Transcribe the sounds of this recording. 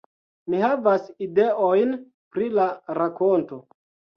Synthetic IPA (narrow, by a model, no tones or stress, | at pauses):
mihavasideʔojn | pɾilaɾakonto̞